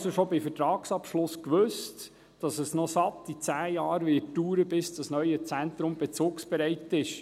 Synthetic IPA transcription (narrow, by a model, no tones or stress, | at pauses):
soʃobɪfətɾɑːksɑpʃlʊskʋøst | d̥ɑsəsnɔsɑtːit͡sæːjɑːɾʋɪuːɾəbɪsd̥ɑsnœʏət͡sænt̪ɾʊmb̥ɛt͡suːksb̥ɛɾɛɪtɪʃ